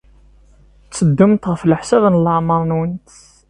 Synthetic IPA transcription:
t͡sːəd̪ːumt̪ʁəfləħsævnəlːəʕməɾˤnwənt̪

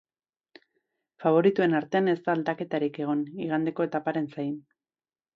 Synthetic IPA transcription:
faβ̞o̞ɾit̪ue̞naɾt̪e̞ane̞st̪aːld̪ake̞t̪aɾike̞ɣ̞o̞niɣ̞and̪e̞ko̞e̞t̪apaɾe̞nsajn

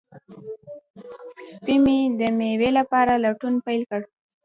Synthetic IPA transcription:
sspimid̪əmewelapɑɾalaʈunpajlkəɽ

